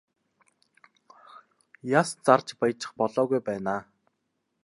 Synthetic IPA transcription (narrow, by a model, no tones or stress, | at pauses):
jast͡sart͡ɕpajt͡ɕɪ̥̆χpɔɮɔːɣujpæːnaː